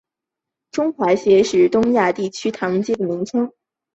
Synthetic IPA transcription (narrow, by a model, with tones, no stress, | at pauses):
ʈ͡ʂʊ˥ŋxwa˧˥ɕjɛ˧˥ʂɻ̩˥˩t̪ʊ˥ŋja˥˧t̪i˥˩t͡ɕʰy˥t̪ʰɑ˧˥ŋt͡ɕɛ˥˩d̪ə˩mi˧˥ŋʈ͡ʂʰɤ˥ŋ